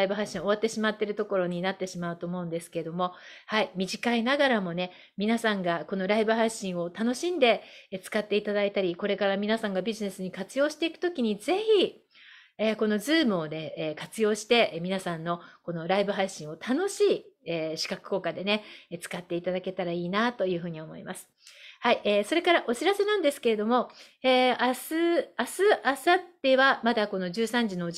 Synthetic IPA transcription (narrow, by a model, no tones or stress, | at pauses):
ibɯ̟ɦaɕĩo̞β̞at̪ːe̞ɕimat̪ːe̞ɾɯ̟t̪o̞ko̞ɾo̞ɲ̟inat̪ːe̞ɕimaɯ̟t̪o̞ːmo̞ɯ̃nd̪e̞sɨ̥ke̞ɾed̪o̞mo̞haimʲiʑikainaɡaɾamo̞ne̞ | mʲinasãŋɡako̞no̞ɾaibɯ̟ɦaɕĩɰ̃o̞t̪ano̞ɕĩnd̪e̞t͡sɨ̥kat̪ːe̞it̪ad̪ait̪aɾʲiko̞ɾe̞kaɾamʲinasãŋɡabʲiʑine̞sɨɲ̟ikat͡sɨjo̞ːɕi̥t̪e̞ikɯ̟̥t̪o̞kʲiɲ̟ize̞çi | eːko̞no̞zɨːmɯ̟o̞d̪e̞ːkat͡sɨjo̞ːɕi̥t̪e̞mʲinasãnːo̞ko̞no̞ɾaibɯ̟ɦaiɕĩɰ̃o̞t̪ʰano̞ɕiːeːɕi̥kakɯ̟̥ko̞ːkad̪e̞ne̞t͡sɨ̥kat̪ːe̞it̪ad̪ake̞t̪aɾaiːnat̪o̞jɯ̟ːɦɯ̟ːɲ̟io̞mo̞̰imasɨ̥haiʔeːso̞ɾe̞kaɾaʔo̞ɕiɾase̞nãnd̪e̞sɨ̥ke̞ɾe̞d̪o̞mo̞ | eːasɨasɨʔasat̪ːe̞βamad̪ako̞no̞ʑɨːsãɲ̟d͡ʑino̞